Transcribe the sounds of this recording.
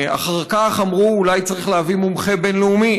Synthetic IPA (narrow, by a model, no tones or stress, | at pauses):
a̰χaʁkaχamʁuːlajt͡saʁiχleavimumχe̞benleumi